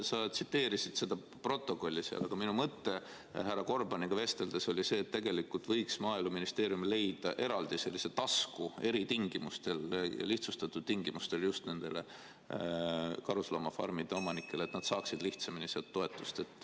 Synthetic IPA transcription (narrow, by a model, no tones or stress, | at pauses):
sɑt̪sit̪ːe̞ːɾisid̪̥se̞d̪ɑ | pro̞t̪ːˑo̞ko̞lʲːiseɑ̰lɑɡ̥ɑminumɤt̪ːe̞ | hærːɑko̞rbɑniɡ̥ɑve̞st̪e̞ld̪e̞so̞lʲise̞ːt̪ːeɡ̥e̞likːˑult̪vɤjksmɑːiluminist̪e̞ːɾjumile̞jd̪̥ɑʔe̞ɾɑld̪̥ise̞lːiset̪ɑskue̞ɾit̪iŋɡ̥imust̪e̞ljɑ̰liht̪sust̪ɑt̪ːˑud̪̥t̪iŋɡimust̪e̞ljust̪ne̞nd̪̥e̞̰lḛ | kɑɾuslo̞mɑfɑ̰rmid̪̥e̞o̞mɑnikːˑe̞let̪nɑd̪̥sɑːksid̪̥liht̪sɑminiselt̪ːo̞e̞t̪ːˑu̥st̪e̞t̪ːˑ